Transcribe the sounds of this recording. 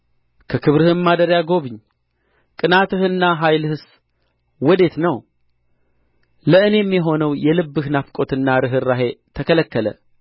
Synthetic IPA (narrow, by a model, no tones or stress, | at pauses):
kʰəkʰɨβɾɨhɨmmad̪əɾjaɡo̞βɨɲː | kʼɨnat̪ɨhɨnːaɦajlhɨs | wɔd̪e̞t̪nəw | ləʔɨne̞mjɛɦo̞nəwjɛlɨbːɨhnafkʼo̞t̪ɨnːaɾɨɦɨrːaɦe̞t̪ʰəkələkːələ̰